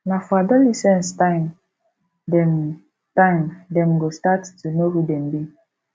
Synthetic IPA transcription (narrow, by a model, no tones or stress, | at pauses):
nafɔadɔlisɛ̃nstãɪm | dɛ̃m | tãɪmdɛ̃mɡostattunohudɛ̃mbi